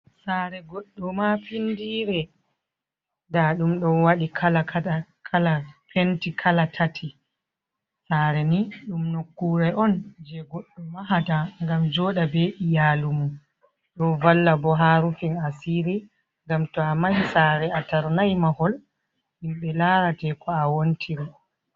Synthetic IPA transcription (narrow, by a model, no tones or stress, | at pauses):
saɾɛɡɔɗːɔmafindiːɾɛ | daɗumɗɔnwaɗikʰalakakʰalapentikʰalatʰatʰi | saɾɛniɗumnokːuɾaɔnd͡ʒɛɡɔɗːɔmaɦataŋɡamd͡ʒɔɗabɛʔijaːlumu | ɗɔnvalːabɔɦaːɾufinasiːɾi | ŋɡamtɔamajisaːɾɛataɾnajmahɔl | himɓɛlaɾatɛkɔawontʰiɾɛ